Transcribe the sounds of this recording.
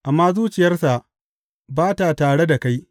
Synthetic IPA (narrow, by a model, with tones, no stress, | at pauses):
ʔa˨mːaː˦zuː˦t͡ʃɪ˨jɐ˦rsa˨ʔ | baː˦ta˨taː˨ɽe˦da˨ka˦j